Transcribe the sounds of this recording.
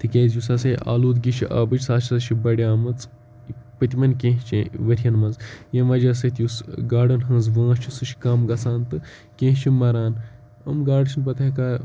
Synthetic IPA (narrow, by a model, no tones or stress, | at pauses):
t̪ʰɨkʲeːzjusɐseʔa̰ːluːd̪ɡʲiʃʰḭʔa̰ːbɨt͡ʃsaːt͡ʃʰʃʰibɐɽʲaːmɐt͡s | pɨt̪ʲimɐnʲkʲẽːɦt͡ʃiʋɐɾʲjɐnmɐnzjɐʋɐd͡ʒɐsɐt̪jusɡaːɖɐnɦɐ̃nzʋãːt͡ʃʰisɨʃkɐmɡɐsaːnt̪ɨ | kẽːɦt͡ʃʰimɐɾaːn | ɐ̰mɡaːɖt͡ʃʰinpɐt̪ʰɐkaː